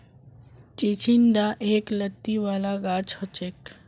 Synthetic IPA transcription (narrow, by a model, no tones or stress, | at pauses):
t͡ʃit͡ʃʰinɖ̪aʔeːklət̪ːiʋaːlaɡaːt͡ʃot͡ʃeːk